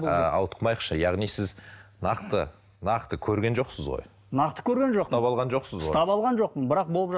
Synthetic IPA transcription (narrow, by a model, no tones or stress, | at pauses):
ɑ̰wt̪əqmɑjəqʃəjɑʁnijsɪznɑqt̪ə̰ | nɑqt̪əkʲʰɵɾɡʲe̞nʒo̞qsəzʁo̰j | nɑqt̪ə̥kʲʰɵɾɡʲe̞nʒost̪ɑpɑlˠʁɑnʒo̞qsəzsot̪ɑpɑlˠʁɑnʒo̞q̚pənbɪɾɑq̚bo̞lˠəpʒɑ